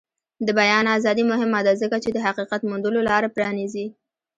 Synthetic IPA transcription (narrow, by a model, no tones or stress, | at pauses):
d̪əbajɑnazɑd̪imʊɦɪmad̪azəkat͡ʃed̪əɦaqiqat̪mʊnd̪əlolɑɾapɾɑnizi